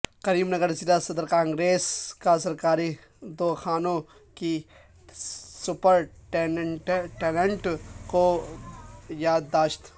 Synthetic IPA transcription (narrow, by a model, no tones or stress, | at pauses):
kɐɾiːmnɐɡəɾsid̪asɐd̪əɾkãːŋɡɾeːskasɐɾkaːɾi | d̪oːxʰaːnõ | ki | sʊpəɾʈeʈʈeːlẽɳʈko | jaːd̪ːaːʃt̪